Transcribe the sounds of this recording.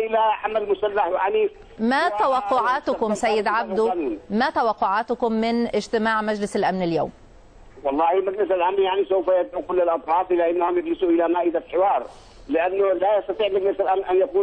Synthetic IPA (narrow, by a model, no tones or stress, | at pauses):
ʔɪlaʕamalmʊsalːaħjaʕni | mat̪awɑqːʊʕaːt̪ʊkʊmsajːɪd̪ʕab̚d̪unuːnmæt̪awɑqːʊʕaːt̪ʊkʊmːɪnʔɪd͡ʒt̪ɪmaːʕmad͡ʒlɪsalʔamnɪljo̰ːm | wɑlˤːɑːhimaɡlɪsalʔamnjaʕnisowfajat̪ʕʊkʊlːalʔɑt̪ˤħɑːfʔɪlːaʔɪnːahʊmjɪɡlɪsuʔɪlamaːʔɪd̪afħɪwɑːɾˤ | lɪʔanːʊlajɑst̪ɑt̪ˤiːʕmaɡlɪsalʔamnʔanjakuː